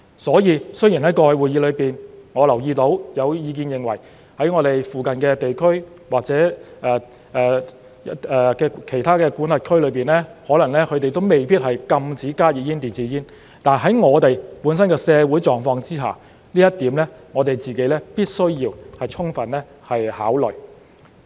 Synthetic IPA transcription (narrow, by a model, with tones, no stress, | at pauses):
sɔː˨˥jiː˧sɵ˥jiː˨˩nɦɐ˨˥jkɔː˧jwuː˨˩ji˨˧lɵ˨˧ɥpiː˨nŋɔː˨˧lɐ˨˩wjiː˧t̪o˨˧˥wjɐ˨˧wjiː˨˧k̬iː˧njɪ˨ŋwɐ˨˩j | hɐ˨˥jŋɔː˨˧t̪e˨jfuː˨kɐ˨nkɛː˧t̪e˨jkʰɵ˥ɥ | waː˨k̚t͡sɛː˨˥ʔɛː˨ | ʔɛː˨ | ɛː˨kɛː˧kʰe˨˩jt̪ʰaː˥kɛː˧kuː˨˥nlɐ˨t̚kʰɵ˥lɵ˨˧ɥpiː˨nlɛː˥hɔː˨˥lɐ˨˩ŋlɛː˥kʰɵ˨˧t̪e˨jt̪o˥wme˨˩jpiː˥t̚hɐ˨jkɐ˧mt͡siː˨˥kaː˥jiː˨˧˩jiː˥nt̪iː˨˩nt͡siː˨˥jiː˥n | t̪aː˨˩nɦɐ˨˥jŋɔː˨˧t̪e˨jpuː˨˥nsɐ˥nkɛː˧sɛː˨˧wuː˨˥jt͡sɔː˨ŋfɔː˧ŋt͡siː˥ɦa̰ː˨˩ | liː˥jɐ˥t̚t̪iː˨˥mlɛː˥ŋɔː˨˧t̪e˨˩jt͡siː˨ke˨˥jlɛː˥piː˥t̚sɵ˥ɥjiː˧whɐ˨jt͡ʃʰʊ˥ŋfɐ˨nlɛː˥ | hɐ˨jha̰ː˨˥wlɵ˨ɥ